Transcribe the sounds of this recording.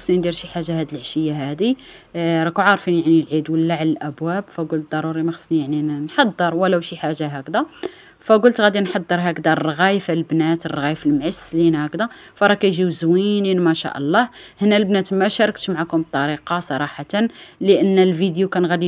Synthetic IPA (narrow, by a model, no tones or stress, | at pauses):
snind̪iɾʃiħaʒːaɦæd̪əlʕʃəjːaɦæd̪i | ɾˤɑkuʕɑɾˤfinjaʕnilʕid̪wəlːaʕalælʔæbwæbfæɡʊlt̪̚d̪ɑɾˤuɾimæxɑ̥snijaʕninħɑd̪ˤːəɾˤwəlæwʃiħaʒːaɦækd̪æ | fæɡʊlt̪ɣæd̪inħɑd̪ˤːəɾˤɦækd̪ærˤːɣæjfælbnæt̪ərˤːɣæjəfəlmʕəsːlinæhækd̪æ | fæɾˤɑkæjʒiwzwininmæʃa̰ʔɑ̰lˤːɑhhnːælbnæt̪mæʃæɾˤək̚t̪maʕakʊmb̚t̪ˤːɑɾiqɑsˤɑɾˤɑħɑt̪ənləʔənːlvid̪jukænɣæd̪i